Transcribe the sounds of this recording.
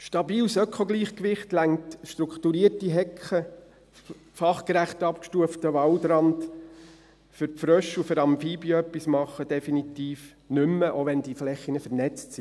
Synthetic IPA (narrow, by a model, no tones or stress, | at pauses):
ʃtɑbiːlsœkʰoɡliːχkʋɪχtlæŋtʃtɾukʰtuɾiəɾtiɦɛkχə | fɑχkɾæχtɑpkʃtuəftəʋɑldɾɑnd | fʏɾfɾœʃufʏɾɑmmfiːbiœpːismɑχːəd̥ɛfinitiːf | nʏmːəʔoʋɛnd̥iflɛχːinəfəɾnɛt͡stsi